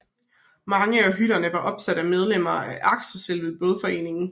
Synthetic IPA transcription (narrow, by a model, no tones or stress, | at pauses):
mɑ̈ŋəɒɦyɾ̥ɐnəʋɑ̈ʔɒ̽b̥sæd̥æmeð̞ˠlem̰ɐæʔɑ̈ɡ̥ɕəselʋelˠb̥ɔð̞ˠfɒ̽e̝̰ːne̝ŋn̩